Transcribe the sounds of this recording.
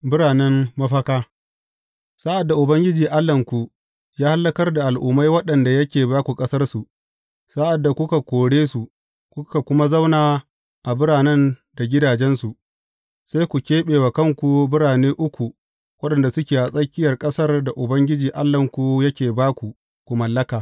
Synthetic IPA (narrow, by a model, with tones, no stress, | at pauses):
bɪ˦ɽaː˨nɛ˦mːɐ˦ɸɐ˦kaː˦ | sa˦ʔa˨dːa˨ʔʊ˨bɐ˦ŋɡʲɪ˦d͡ʒiː˨ʔa˦lːɐ˨ŋkʷu˨ | jaː˦ha˦lːɐ˦kɐ˦rda˨ʔa˨lʔʊ˨ma˦jwɐ˦ɗɐ˨nda˨jɐ˦kʲeː˨baː˦kʷu˨kʼɐ˦sɐ˦rsu˨ʔ | sa˦ʔa˨dːa˨kʷʊ˦ka˨kʷoː˨ɽeː˦su˨ | kʷʊ˦ka˨kʷʊ˦ma˦za˦wnaː˨ | ʔa˨bɪ˦ɽaː˨nɛ˦nda˨ɡʲɪ˦daː˨d͡ʒɛ˦nsu˨ | sa˦jkʷu˨kʲeː˦ɓeː˨waː˨kɐ˦˨ŋkʷu˨bɪ˦ɽaː˨neː˦ʔʊ˦kʷu˨ | wɐ˦ɗɐ˨nda˨sʊ˦kʲeː˨ʔa˨sʼɐ˦kʲːɪ˦jɐ˨rkʼɐ˦sɐ˦rda˨ʔʊ˨bɐ˦ŋɡʲɪ˦d͡ʒiː˨ʔa˦lːɐ˨ŋkʷu˨jɐ˦kʲeː˨baː˦kʷu˨ | kʷu˨mɐ˨lːɐ˦kaː˨